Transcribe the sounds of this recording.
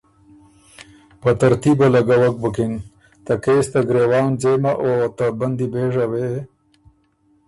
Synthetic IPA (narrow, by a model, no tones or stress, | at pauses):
pət̪aɾt̪ibalaɡawak̚bəkɪn | t̪akeːst̪aɡɾewɑːnzeːmaʔot̪aband̪ibeːʐawe